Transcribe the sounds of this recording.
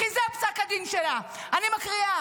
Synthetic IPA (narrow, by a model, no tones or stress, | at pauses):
kizeapsakad̪inʃela | animakʁia